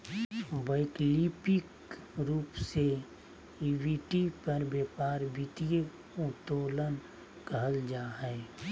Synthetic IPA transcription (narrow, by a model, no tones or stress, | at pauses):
bəɪklipɪk | ɾuːpse | iwiʈipəɾbjeːpaːɾbʱit̪ije | ʊt̪oːlən | kəɦəld͡ʒaːɦɛː